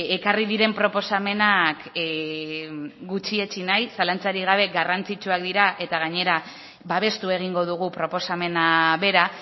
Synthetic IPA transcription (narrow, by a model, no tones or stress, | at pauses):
e̞kariðiɾe̞mpɾo̞po̞same̞nak | ɡut͡ʃie̞t͡ʃinajsalant͡saɾiɣ̞aβ̞e̞ɡarant͡sit͡ʃuak̚d̪iɾaʔe̞t̪aɣ̞aɲe̞ɾa | baβ̞e̞st̪ue̞ɣ̞iŋɡo̞ð̞uɣ̞upɾo̞po̞same̞naβe̞ɾa